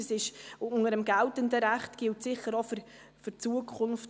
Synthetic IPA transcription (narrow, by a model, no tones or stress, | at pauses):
əsɪʃŋəɾəmɡæltəndəɾæχtɡ̥ɪltsɪχəɾof | fʏrt͡suəkʰχʊnft